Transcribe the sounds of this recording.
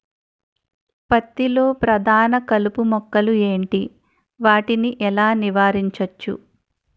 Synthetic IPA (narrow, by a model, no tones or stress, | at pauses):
pɐt̪ːilo̞ːpɾɐd̪ʱaːnɐkɐlupumɔkːɐlue̞ːɳʈi | ʋaːʈiniʔɛlaːniʋaːɾiɲt͡ʃɐt͡ʃːṵ